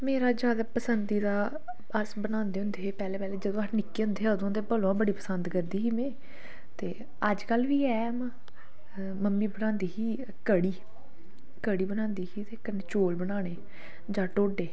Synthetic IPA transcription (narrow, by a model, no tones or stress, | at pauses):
meːɾaːd͡ʒjaːd̪aːpəsənd̪iːd̪aː | əsbənãːnd̪eːɦʊ̃nd̪eːpɛːlɛ̃ːpɛːleːd͡ʒəd̪õːənɪkːeːʊ̃nd̪eːd̪õːnd̪eːbəlõabəɽiːpəsənd̪kəɾd̪iːɦiːmẽː | t̪eː | əd͡ʒkəlʋiːɛːm̃ː | məmːiːbənãːnd̪iːɦiː | kəɽiː | kəɽiːbənãːnd̪iːɦiːt̪eːkənt͡ʃoːlbənaːɽ̃eː | d͡ʒãːʈoːɖeː